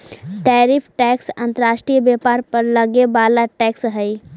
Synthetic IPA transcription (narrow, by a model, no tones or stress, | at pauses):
ʈɛːɾɪpʰʈɛːksə̃nt̪əɾaːʃʈɾijəbjeːpaːɾpəɾləɡebaːlaʈɛːksɦɛi